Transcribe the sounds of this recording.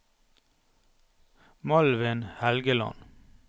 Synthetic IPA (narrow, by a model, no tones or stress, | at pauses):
mɑlʋənhælɡəlɑ̰n